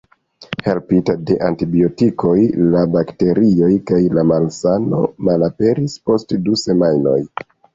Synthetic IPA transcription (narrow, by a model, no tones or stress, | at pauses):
he̞lpitade̞ʔantibio̞tikʰo̞jlabakte̞ɾio̞jkajlamalsano̞̰malape̞ɾispo̞stduse̞majno̞̰j